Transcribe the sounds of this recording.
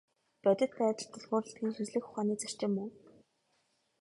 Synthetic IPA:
pœt̪ʲɪ̆t̪pæːt͡ɕ̪ə̆ɬt̪ɔɮʁʊːrə̆ɬt̪̚ɡʲiːŋsɵsɮɘ̆xʊχaːniːt͡sar̥t͡ɕɪ̆mːu

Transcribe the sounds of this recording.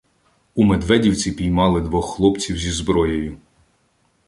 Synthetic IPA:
umed̪ʋɛdʲiwt͡sʲipʲijmɑlˠɪd̪ʋɔxxlˠɔpt͡sʲiwzʲizbɾɔjɔjʊ

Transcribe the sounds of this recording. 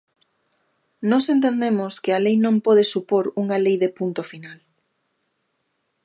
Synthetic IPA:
nɔsent̪̬end̪emoskɪalejnõmpɔð̞ɪsupoɾuŋalejðepunt̪ofinal

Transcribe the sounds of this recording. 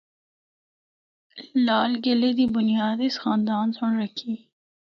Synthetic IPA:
lɑːlɡɪled̪ibʊnijɑːd̪isxɑːnd̪ɑːnsʊɳɾɐkʰi

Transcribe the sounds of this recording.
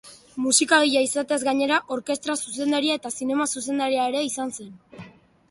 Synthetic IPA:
musikaɣ̞iʎaisat̪ezɡaɲe̞ɾaʔo̞ɾke̞st̪ɾasuse̞nd̪aɾiae̞t̪asine̞masuse̞nd̪aɾiae̞ɾe̞isanse̞n

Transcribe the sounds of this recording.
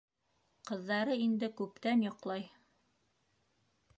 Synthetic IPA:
qɤ̆ðːɑɾɤind̪ɘkʉp̚t̪ænjɒqlˠɑj

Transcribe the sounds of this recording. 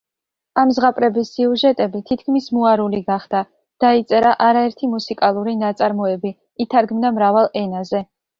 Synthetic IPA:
amzʁapʼɾɛbisːiuʒɛt̪ʼɛbit̪ʰit̪̚ʰkʰmismuaɾuliɡaχd̪̥a | d̪̥ait̪sʼɛɾaʔaɾaɛɾt̪ʰimusikʼalˠuɾinat̪sʼaɾmɔɛbi | it̪ʰaɾɡmd̪amɾavalˠɛnazɛ

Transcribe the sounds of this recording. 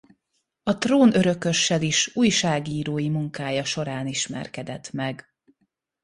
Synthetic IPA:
ɒt̪roːnø̞ɾø̞kø̞ʃːɛliʃuːjʃaːɡiːɾoːjimuŋkaːjɒʃo̞ɾaːniʃmɛ̰rkɛd̪ɛt̪mɛɡ

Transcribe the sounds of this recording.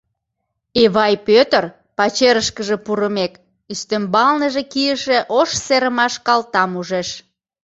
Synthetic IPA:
eβɑjpøt̪ər | pɑt͡ɕeɾəʃkəʒe̽puɾəmek | yst̪əmbɑlnəʒekijəʃeʔoʃseɾəmɑʃkɑlt̪ɑmuʒeʃ

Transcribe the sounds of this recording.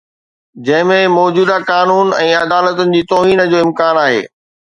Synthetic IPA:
d͡ʑɐ̃ɦɪ̃mẽmɔːd͡ʑuːd̪akaːnuːnɛ̃ːɐd̪aːlət̪ʊnɪ̆d͡ʑiːt̪ɔːɦiːnə̆d͡ʑoːɪ̃mkaːnaːɦḛː

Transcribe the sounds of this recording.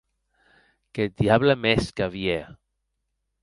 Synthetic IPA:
ket̪̚d̪iaβləmeskaβie

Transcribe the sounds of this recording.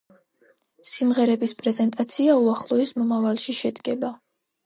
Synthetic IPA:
simʁɛɾɛbispʼɾɛzɛnt̪ʼat̪sʰiauaχlˠɔɛsmɔmavalˠʃiʃɛd̪ɡɛba

